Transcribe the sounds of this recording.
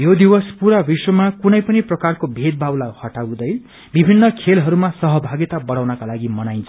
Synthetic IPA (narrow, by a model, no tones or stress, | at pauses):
jod̪iwʌspuɾabiswʌmakunʌjpʌniprʌkarkobʱet̪̚bʱawlajhʌʈawd̪ʌj | bibʱinːʌkʰelɦʌɾumasʌɦʌbʱaɡit̪abʌɽawnʌkalaɡimʌnajnt͡sʰʌ